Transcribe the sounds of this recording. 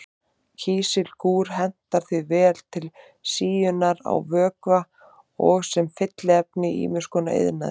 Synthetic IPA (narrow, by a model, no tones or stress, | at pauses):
cʰiːsɪlkuːɾ̥ɦɛn̥t̪aɾ̥θvivɛːl̥t̪ʰɪl | siːjʏnaɾa̰wvœːkva | ɔɣsɛmfɪt̪lɪɛpnɪḭːmʏ̥skɔnaḛðna̰ð